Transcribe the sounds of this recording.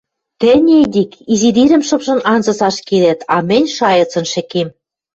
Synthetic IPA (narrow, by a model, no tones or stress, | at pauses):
t̪ɘ̆nʲed̪ʲikizid̪iɾɘ̆mʃɤ̆pʃɤ̆nɑnzɤ̆sɑʃkelæt̪ɑmɘ̆nʲʃɑjɤ̆t͡sɤ̆nʃɘ̆kem